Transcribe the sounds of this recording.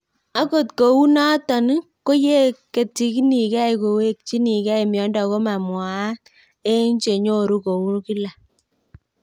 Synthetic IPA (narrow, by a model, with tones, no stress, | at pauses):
a˦ko˨tko˨u˦na˦tɔ˨n˦ko˦je˦ke˨ti˨ki˦ni˨kɛ˦i˨ko˨we˦k̚t͡ʃi˦ni˨kɛ˦i˨mjɔ˦ndɔ˨ko˦ma˨mwa˨a˦k | e˦ɲt͡ʃe˨ɲo˦˨ɾu˦ko˨wu˦ki˦la˨